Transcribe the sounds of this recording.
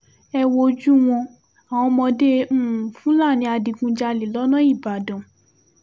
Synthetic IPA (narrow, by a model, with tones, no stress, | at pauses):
ɛ˧wo˧d͡ʒu˦w̃ɔ̃˧ | a˨w̃ɔ̃˧mɔ̃˧dẽ˦˨fũ˦la˦˨nĩ˨˧˦a˧dĩ˨˧ɡũ˧d͡ʒa˧li˨lɔ˨˦nɔ̃˦i˦˨ba˨dɔ̃˨